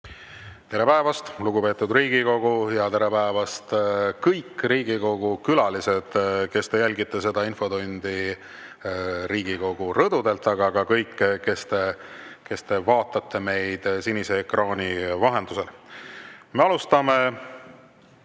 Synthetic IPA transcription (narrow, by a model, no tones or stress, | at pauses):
t̪eɾe̞pæevɑst̪luɡ̥upe̞ːt̪ːˑud̪riːɡ̥iko̞ɡ̥ujɑt̪e̞ɾe̞pæevɑst̪kɤjkːriːɡiko̞ɡ̥ukylɑlise̞d̪̥ke̞st̪e̞jælʲɡit̪ːˑese̞d̪̥ɑinfo̞d̪unʲd̪̥i | ɾiːɡ̥iko̞ɡ̥urɤd̪ud̪e̞lt̪ːˑɑɡ̥ɑɡ̥ɑkɤjkːke̞st̪e̞ke̞st̪e̞vɑːt̪ːˑɑt̪ʰːe̞me̞jd̪̥sinise̞ːkrɑːnʲivɑɦe̞nd̪̥use̞l | me̞ɑlust̪ɑme